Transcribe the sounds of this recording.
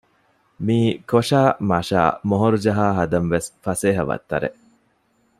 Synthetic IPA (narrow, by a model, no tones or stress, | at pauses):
miːkoʂaːmɐʃa̰ːmoɦoɾud͡ʒɐɦaːɦɐd̪ɐnʋesfɐseːɦɐʋɐ̰t̪ːɐ̰ɾḛ